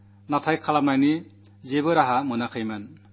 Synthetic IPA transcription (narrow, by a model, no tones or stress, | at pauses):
natʰajkʰalanajni | zebɯɾaɦamɯnakʰɯjman